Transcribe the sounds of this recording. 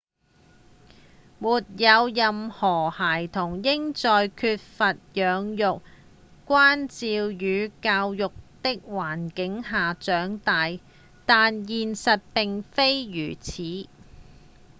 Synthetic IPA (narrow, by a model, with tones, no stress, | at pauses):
muː˨˩t̚jɐ˨˧wjɐ˨mhɔː˨˩haː˨˩jt̪ʰʊ˨˩ŋjɪ˥ŋt͡sɔː˨jkʰyː˧t̚fɐ˨t̚jœː˨˧ŋjʊ˨k̚ | kːʷaː˥nt͡siː˨˧wjyː˨˧kaː˧wjʊ˨k̚t̪ɪ˥k̚waː˨˩nkɪ˨˥ŋɦaː˨t͡ʃœː˨˥ŋt̪aː˨j | t̪aː˨njiː˨nsɐ˨t̚pɪ˨ŋfe˥jjyː˨˩t͡sʰiː˨˥